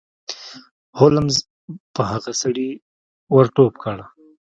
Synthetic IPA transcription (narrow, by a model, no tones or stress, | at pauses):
holamz | pəɦaɣasaɽi | waɾʈop̚kʰaɽa